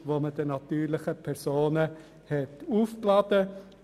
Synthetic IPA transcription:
ʋoːməd̥ənɑt̪yːɾlɪχəpʰɛɾsoːnə | hɛtuːfklɑd̥ə

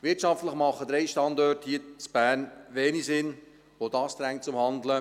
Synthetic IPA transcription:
ʋɪtʃɑftləχmɑχːəd̥̪ɾɛɪʃtɑndɔrthiːt͡sb̥æːrnʋɛːnisɪn | ʋod̥ɑːsd̪̥ɾæŋ̚t͡sʊmhɑnd̪lə

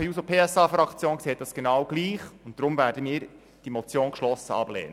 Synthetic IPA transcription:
əusopʰeːɛsɑːfɾɑkʰt͡sjoːnkseːt̚d̥ɑsɡ̥enɑwɡ̥liːχʊntd̥ɾʊmvæːɾdəmiːɾ | d̥imɔt͡sjoːnkʃlɔsəɑ̰b̥lḛːnə

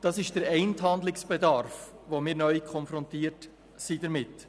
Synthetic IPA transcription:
d̥ɑsɪʃd̥əɾɛɪnthɑndlɪksb̥ɛdɑɾfʋomɪːɾnœʏkʰɔnfɾɔntiːəɾt | sidəɾmɪt

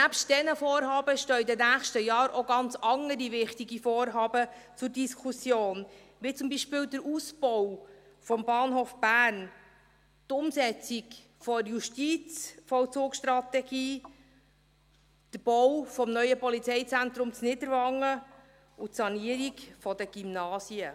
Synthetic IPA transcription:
næpʃtd̥ɛnəfɔːɾɦɑːbəʃtœːidɛnæːχʃtəjɑːɾʔoɡɑnt͡sɑŋəɾiʋɪχtiɡifɔːɾɦɑːbət͡sʊɾdiskʰusjoːn | ʋit͡sʊmbiʃpɪːldəɾuːsbɔw | fɔmbɑːnɦoːfb̥æːɾn | tʊmsɛt͡sik | fɔjuʃtit͡sfɔt͡sʊːkʃt̪ɾɑt̪ɛɡ̥iː | d̥əɾb̥ɔwfɔmnœʏjəpɔlit͡sɛɪt͡sænt̪ɾʊmt͡snɪdəɾʋɑŋːə | utsɑniəɾikfɔd̥əɡ̥imnɑːsiə

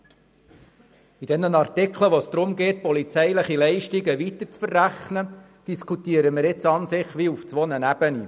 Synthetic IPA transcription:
id̥ɛnənɑrtɪkʰləʋɔsd̪̥ɾʊmɡeːt̪̚pɔlit͡sɛjləχilɛɪʃtiɡəʋitət͡sfərːæχnə | d̥iskutiːəɾəmɪɾɪt͡sɑnsɪχʋiuft͡sʋɔnənæb̥əni

